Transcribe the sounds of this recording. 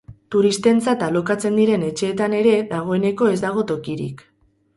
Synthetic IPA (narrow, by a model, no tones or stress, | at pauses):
t̪uɾist̪e̞nt͡sat̪alo̞kat͡se̞nd̪iɾe̞ne̞t͡ʃe̞ːt̪ane̞ɾe̞ðaɣ̞o̞e̞ne̞ko̞e̞zd̪aɣ̞o̞t̪o̞kiɾḭk